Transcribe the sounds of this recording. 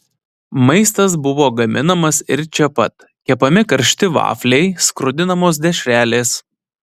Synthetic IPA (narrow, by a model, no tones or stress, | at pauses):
mɐɪst̪ɐs̬bʊʋoːɡɐmʲɪnɐmɐsɪɾt͡ʃʲɛpɐt̪ | kʲɛpɐmʲɪkɐɾʲʃʲt̪ʲɪʋɑ̰ːflʲɛɪskɾʊd̪ʲɪnɐmoːs̬d̪ʲɛʃʲɾʲæːlʲeːs